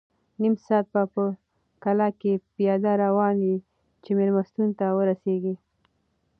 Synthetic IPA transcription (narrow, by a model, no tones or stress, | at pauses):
nimsɑt̪̚bapə | kalakepijɑd̪aɾawɑnwi | t͡ʃemelmast̪unt̪awəɾaseɡi